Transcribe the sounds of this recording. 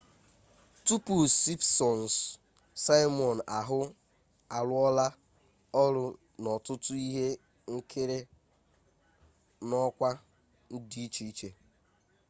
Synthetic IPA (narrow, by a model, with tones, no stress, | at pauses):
tu˦pu˨si˦psɔ˨n˨s | sa˦jmɔ˨n̩˨a˨ɦʊ˦ | a˨lʊ˦ɔ˦la˦ | ɔ˦ɾʊ˨ | nɔ˨tʊ˦tʊ˦i˦ɦe˦ | ŋ̩˦kʰe˦ɾe˦ | nɔ˦kʷa˦ | n̩˦di˦i˦t͡ʃe˦i˦t͡ʃe˨